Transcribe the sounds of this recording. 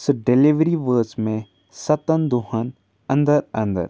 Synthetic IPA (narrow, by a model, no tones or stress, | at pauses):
sɖeliʋɾiʋəːt͡ʃmẽ | sɐt̪ənd̪uɦən | ɐ̃nd̪əɾɐ̃nd̪ə̰ɾ